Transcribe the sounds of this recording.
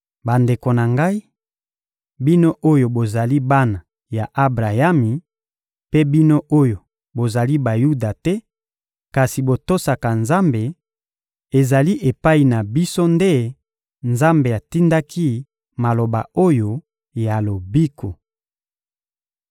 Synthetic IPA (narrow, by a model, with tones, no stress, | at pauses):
ba˨nde˨ko˨na˨ŋɡa˦i˦ | bi˦no˦ʔo˦jo˨bo˨za˨li˦ba˦na˨ | ja˨ʔa˦bʁa˨ja˦mi˨ | pe˦bi˦no˦ʔo˦jo˨ | bo˨za˨li˦ba˨ju˦da˨tɛ˦ | ka˨si˨bo˨to˦sa˨ka˨nza˦mbe˨ | e˨za˨li˦ʔe˨pa˦i˨na˨bi˦so˦nde˦ | nza˦mbe˨a˨ti˦nda˦kʰi˦ | ma˨lo˨ba̰˨o˦jo˦ | ja˨lo˨bi˦kʰo˨